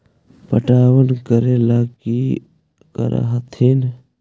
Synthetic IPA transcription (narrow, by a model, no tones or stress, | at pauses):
pəʈaːwənkəɾelaːki | kə̰ɾʔa̰ɦɐt̪ʰin